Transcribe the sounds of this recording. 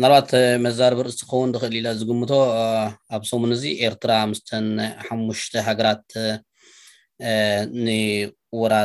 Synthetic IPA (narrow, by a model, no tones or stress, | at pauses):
nalbat̪mɐzaɾbɐɾɨzt̪ʰɨkʰxɐwːund̪ɨxɨʔɨlilazɨɡɨmːɨt̪ʰo̞aβsomunɨziʔe̞ɾt̪ʰɨɾaamust̪ʰɐnħamːuʃt̪ʰɐɦaɡɐɾat̪̚ | nɨ | wɔɾa